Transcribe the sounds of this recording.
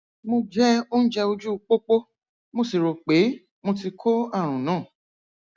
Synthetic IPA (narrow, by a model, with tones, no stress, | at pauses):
mo˧d͡ʒɛ˦o˦ñ̩˦d͡ʒɛ˧o˧d͡ʒu˦˧k͡po˦k͡po˦ | mo˧si˨ɾo˨k͡pe˨˦ | mo˧ti˧kʰo˦a˦˨ɾ̃ũ˨nãː˨˦˨